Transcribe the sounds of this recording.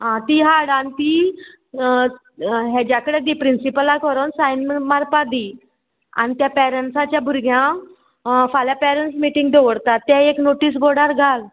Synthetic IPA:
ɦãt̪iɦaɽanit̪iː | ɦɛ̃d͡ʑjakəɽed̪ipɾinsipəlakɔɾonsajnməmaɾpad̪i | a̰nit̪japɛɾəɳʈsat͡ɕjabʱuɾɡjã | faljapɛɾənʈsmiʈiŋɡd̪ʱoʋəɽt̪at̪ːɛ̃eknoʈiːs̬bɔɽaɾɡʱal

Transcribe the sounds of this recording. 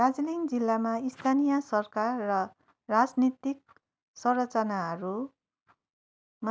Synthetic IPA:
ad͡zliŋd͡zilːamaist̪ʰanijʌsʌrkarːʌ | rad͡znit̪ik̚ | sʌrʌt͡sʌnaɦʌɾu | ma

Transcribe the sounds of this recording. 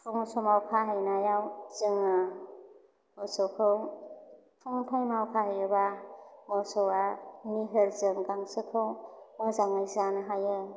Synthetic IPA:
pʰɔŋsɔmawkʰaɦajnajawzɯŋa | mɔsɔwkʰɯw | pʰɔŋpʰɔŋnawkʰaɦajɯbamɔsɔwamiɦɯɾzɯŋɡaŋsɯkʰɯwmɔzaŋɯjzanɯɦajɯ

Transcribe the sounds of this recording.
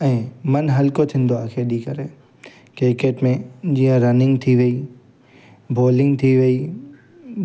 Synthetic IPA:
ɛ̃mɐnɦɐlkot̪ʰɪ̃nd̪oaːkʰeɗikɐɾeː | keːkeːʈmẽd͡ʒiːə̃ɾɐnɪ̃ŋɡt̪ʰiʋeiː | bʱoːlɪ̃ŋɡt̪ʰiʋeiː

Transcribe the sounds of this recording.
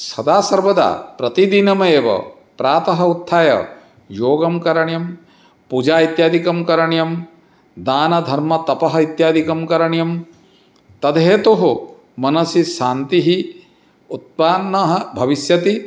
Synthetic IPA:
sɐd̪aːsɐɾʋɐd̪a̰ːpɾɐt̪id̪inɐmɐeːʋɐ̰ | pɾaːt̪ɐɦɐ̆ut̪ʰːaːjɐ̰ | joːɡɐmkɐɾɐɳjɐm | pud͡ʒaːit̪jaːd̪ʱikɐmkɐɾɐɳjɐm | d̪aːnɐd̪ʱɐɾmɐt̪ɐpɐɦɐit̪jaːd̪ʱikɐmkɐɾɐɳjɐm | t̪ɐd̪ʱeːt̪oɦu | mɐnɐsiʃaːnt̪iɦi | ut̪̚paːnːɐɦɐbʱɐʋisjɐt̪i

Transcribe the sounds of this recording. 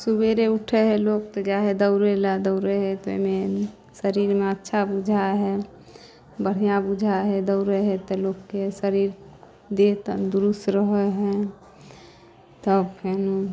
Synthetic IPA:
subeɾeuʈʰeɦɛloːk̚t̪ɔd͡ʒaɦed̪əʊɾelad̪əʊɾeɦɛt̪o̰me | səɾiɾmeətːʃʰabud͡ʒʱaɦɛ | bəɽ̤ijãbud͡ʒʱaɦɛd̪əʊɾeɦɛt̪ɔlokːesəɾiɾ | d̪et̪ənd̪uɾust̪ɾəɦəɦɛ̃ | t̪ɔbkʰenu

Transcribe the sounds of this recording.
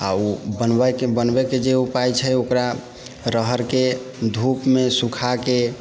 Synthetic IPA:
a̰ubənbəjkebənbeked͡ʒeupajt͡ʃʰəokɾa | ɾəɦəɾked̪ʱupmesukʰake

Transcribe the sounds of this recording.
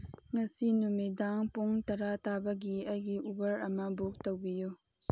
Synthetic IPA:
ŋɐsinumidaŋpoŋtɐɾatabɐɡiɐjɡiʔubɐɾɐmɐbok̚tɐwbijo

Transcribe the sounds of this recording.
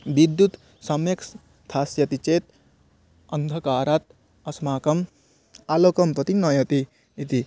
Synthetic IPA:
bid̪jut̪ | sɐmjeks | t̪ʰaːsjɐt̪it͡ʃeːt̪̚ | ɐnd̪ʱɐkaːɾat̪̚ | ɐsmaːkɐm | alokɐmpɐt̪inɐjɐt̪iː | t̪i

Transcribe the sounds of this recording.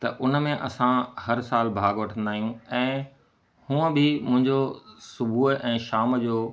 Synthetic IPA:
t̪ɐ̰ʔʊn̆mẽʔɐsãhɐɾsaːlbʱaːɡʋɐʈʰə̃nd̪aːɦijũɛ̃ː | hũːə̃bɪmʊ̃ɦɪ̃ɲd͡ʑosʊbʱuːʔɛ̃ːʃaːmd͡ʑoː

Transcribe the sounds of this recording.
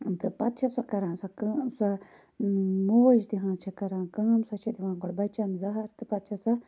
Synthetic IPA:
t̪ɨpɐt̪̚t͡ʃʰɐsɐkɐɾãːnsɐksɐ | muʋɐd͡ʒt̪iɦãːt͡ʃʰɐkɐɾãːnkɐːmsɐt͡ʃʰid̪iʋãːnɡoɽbɐt͡ʃɐnzɐɦɐɾt̪ɨpɐt̪̚t͡ʃʰɐsɐ

